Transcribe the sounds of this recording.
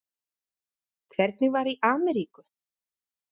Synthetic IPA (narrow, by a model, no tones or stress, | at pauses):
kʰvɛɾt̪̚nɪɣvaɾiʔaːmɛɾiːkʏ